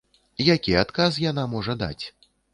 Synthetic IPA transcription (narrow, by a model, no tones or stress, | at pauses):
jakʲiat̪kazjanamɔʐɐd̪a̰t͡sʲ